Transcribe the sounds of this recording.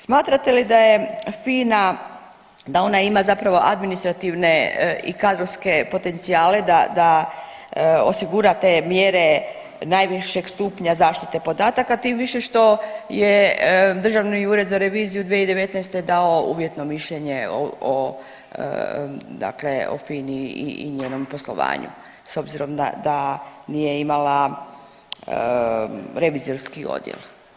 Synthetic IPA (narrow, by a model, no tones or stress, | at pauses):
smaːt̪ɾat̪e̞lid̪aje̞fiːna | d̪ao̞naimazapɾaʋo̞ʔad̪minist̪ɾat̪iʋne̞ḭkad̪ɾoʋske̞po̞t̪e̞nt̪siaːle̞d̪ad̪a | o̞̰siɡuɾat̪e̞mjeɾe̞ | najʋiʃe̞ɡst̪upɲazaːʃt̪it̪e̞po̞d̪aːt̪akat̪iːmʋiʃe̞ʃt̪o̞jed̪r̩ʒaʋniuːɾe̞d̪zaɾe̞ʋiːzijud̪ʋieid̪e̞ʋe̞t̪najst̪ed̪ao̞ṵːʋje̞t̪no̞miʃʎe̞ɲe̞o̰o̰ | d̪a̰kle̞o̰finiḭḭɲeːno̞mpo̞slˠo̞̰ʋa̰ːɲṵ | so̞bziɾo̞md̪a̰d̪anijeimala | ɾe̞ʋiːzo̞ɾskio̞̰d̪jḛl